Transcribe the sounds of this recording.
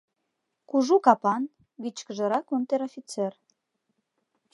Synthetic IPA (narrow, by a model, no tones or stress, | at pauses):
kuʒukɑpɑn | ɡit͡ɕkəʒə̆ɾɑkunt̪eɾofʲit͡ser